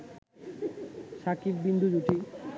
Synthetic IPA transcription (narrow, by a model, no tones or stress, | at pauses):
ʃakib̚bind̪ʱud͡ʑuʈi